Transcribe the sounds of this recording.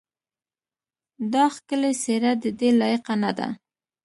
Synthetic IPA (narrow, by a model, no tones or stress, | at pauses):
d̪ɑxkəleseɾad̪əd̪elɑjiqanad̪a̰